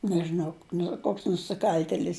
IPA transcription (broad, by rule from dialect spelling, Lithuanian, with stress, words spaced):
nʲɛʒʲɪˈnɐʊ ˈnʊ ˈkoːks nʊsʲɪˈkɐlʲtʲɛlʲɪs